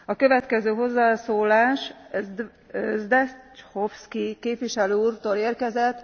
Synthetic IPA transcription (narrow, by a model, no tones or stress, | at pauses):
ɒkø̞vɛt̪kɛzøːɦo̞zːaːsoːlaːʃ | zd̪ɛt͡ʃhofskikeːpʋiʃɛløːuːrt̪oːleːrkɛzɛt̪ː